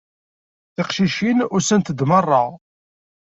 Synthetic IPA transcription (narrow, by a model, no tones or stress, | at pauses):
θɪqʃiʃinʊɾsənt̪əd̪mərˤːəʁ